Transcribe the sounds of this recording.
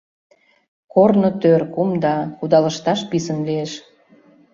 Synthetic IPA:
kornŏt̪ørkumd̪ɑkud̪ɑləʃt̪ɑʃpisənlieʃ

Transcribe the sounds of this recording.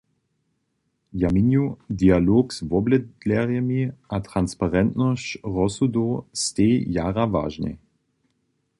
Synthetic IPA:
jaminjud̪ialoːksvɔblɛd̪lɛʁjɛmiat̪ʁanspaʁɛnt̪nɔst͡ɕʁɔsud̪oːst̪ejaːʁava̰ːʒnɛ̰

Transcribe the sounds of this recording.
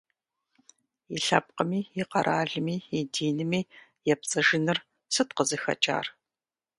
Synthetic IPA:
iɬɐ̰p̚qəmiːjiqɐɾʔaːɮɨmiːjidiːnɨmiː | jɛp̚t͡sʼɐʒɪnɨr | sɨtqəzɨxɐ̰t͡ʃʼa̰ːr

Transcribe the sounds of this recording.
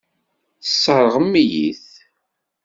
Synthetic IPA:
θəsːəɾˤəʁəmːijḭθ

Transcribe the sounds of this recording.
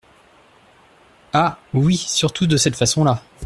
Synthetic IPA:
awisyʁt̪ʰud̪əsɛt̪fasɔ̃la

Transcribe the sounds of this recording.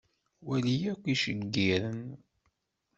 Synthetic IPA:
wælijækʷːiʃəɡːiɾən

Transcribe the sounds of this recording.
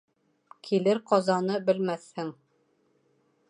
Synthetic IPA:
kʰilɘɾqɒzɑnɤbɘ̆lmæθhɘŋ

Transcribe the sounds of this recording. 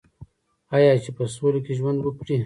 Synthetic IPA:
ɑjɑːt͡ʃepəsolokeʒwand̪wəpɽi

